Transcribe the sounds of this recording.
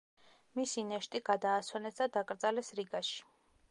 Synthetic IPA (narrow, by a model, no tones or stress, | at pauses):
misinɛʃt̪ʼiɡad̪aːswɛnɛsd̪ad̪akʼɾd̪zʼalɛsɾiɡaʃi̥